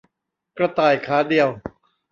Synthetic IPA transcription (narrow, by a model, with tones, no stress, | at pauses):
kɾa˧t̪aː˧˩jkʰaː˩˦˥di˨˧əw